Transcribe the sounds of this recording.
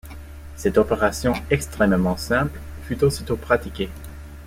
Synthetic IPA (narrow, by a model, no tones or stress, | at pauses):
sɛt̪ɔpeʁasjɔ̃ɛkst̪χɛmmɑ̃sɛ̃pl | fyt̪osit̪opχat̪ikʲe